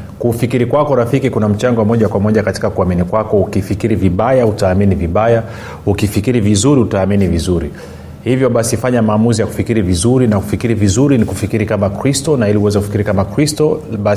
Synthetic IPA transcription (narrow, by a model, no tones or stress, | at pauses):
kufikiɾikwakɔɾafikikunam̩t͡ʃaŋɡɔmɔʄakwamɔʄakati̥kakuaminikwakɔukifikiɾiviɓajautaːminiviɓaja | ukifikiɾivizuɾiutaːminivizuɾi | hivjɔɓasifaɲamaːmuzijaku̥fikiɾivizuɾinaku̥fikiɾivizuɾinikufikiɾikamakɾistɔnailiuwɛzɛkufi̥kiɾikamakɾistɔɓa